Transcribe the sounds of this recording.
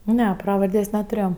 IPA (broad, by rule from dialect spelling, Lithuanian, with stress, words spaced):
ˈnʲɛ ˈprɑːʋɐrʲdʲeːsʲ nʲɛtʊˈrʲeːjoː